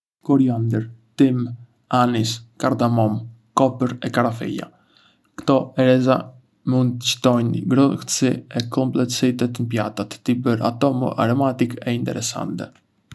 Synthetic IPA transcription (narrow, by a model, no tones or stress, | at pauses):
kɔɾiand̪əɾt̪im | aniskaɾd̪amɔm | kɔpəɾɛkaɾafɛ̰ja̰ | kt̪ɔɛɾɛza | mund̪ət͡ʃə̥t̪ɔjnɡɾɔht̪siɛkɔmplɛt̪sit̪ɛt̪ənəpjat̪at̪ːibəɾa̰t̪ɔmə̰ʔa̰ɾɔmat̪ikɛint̪ɛ̰ɾɛsa̰nt̪ɛ